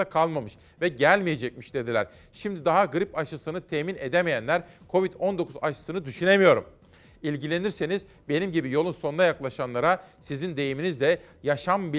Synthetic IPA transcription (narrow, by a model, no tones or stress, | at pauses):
akʰalˠmamɯʃ | vɛɟælʲmije̞d͡ʒɛc̚miʃd̪̥e̞d̪ilʲæɾ | ʃimd̪id̪aɦaɡɯɾipaʃɯsɯnɯt̪ʰɛːmine̞d̪emejænlʲæɾkʰo̞vit̪o̞nd̪o̞kʰuza̰ʃɯ̥sɯnɯd̪yʃyne̞mijo̞ɾum | ilʲɟilʲe̞niɾse̞niz | be̞nimɟibijo̞lˠumso̞nd̪ajaklˠaʃanlˠaɾasizind̪e̞jiminizd̪ɛ | jaʃambi